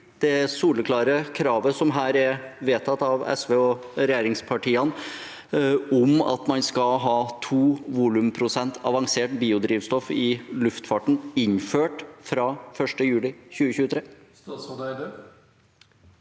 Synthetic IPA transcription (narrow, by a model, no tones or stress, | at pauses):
d̪̥ɛsuːləkʰlɑːɾəkʰɾɑːʋəsɔmɦæːɾɛɾʋeːt̪ʰɑt̪ːɑʋɛ̰sʋeːɔɾɛjeːɾɪŋspʰɑʈiːɑn | ɔmɑ̰t̪mɑnskɑɦɑːt̪ʰuːʋuːlʉmpʰɾʊsɛnt̪ʰɑʋɑŋseːʈbiːʊd̪ɾiːʋst̪ɔfɪlʉft̪fɑʈɳ̩ɪnføːʈfɾɑfœʂʈəjʉːlɪçʉːəçʉːət̪ʰɾeː